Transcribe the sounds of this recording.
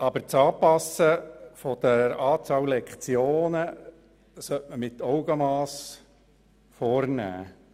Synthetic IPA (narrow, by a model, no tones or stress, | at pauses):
ɑbəɾt͡sɑːpɑsəfɔd̥ɛɾəɾɑːt͡sɑːwlɛkt͡sjoːnə | sœtməmɪtɔʊɡəmɑːs | fɔːrnæ̰ː